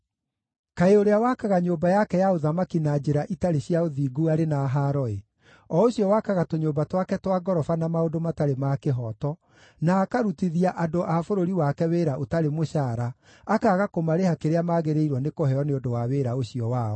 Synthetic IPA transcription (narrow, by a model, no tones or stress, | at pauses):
kaeoɾeawakaɣaɲoːbajakɛjaoðamakinad͡ʑeɾaʔitaɾeɕjaoðiːɡuaɾenaːɦaɾɔe | ɔoɕjɔwakaɣatoɲoːbatwakɛtwaɡɔɾɔfanamaodomataɾemakeɦɔtɔ | naːkaɾutiðiaʔadoʔafoɾoɾiwakɛweɾaʔotaɾemoɕaːɾaː | kaɣakomaɾehakeɾeamaɣeɾeiɾwɔnekoɦɛɔneondowaweːɾaoɕiɔwaːɔ